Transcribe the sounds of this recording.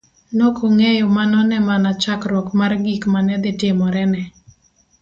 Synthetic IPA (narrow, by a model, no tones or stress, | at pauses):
nokʰoŋɛjomanɔnɛmanat͡ʃakɾɔkmarɡikmanɛd̪ɪtɪmɔɾɛnɛ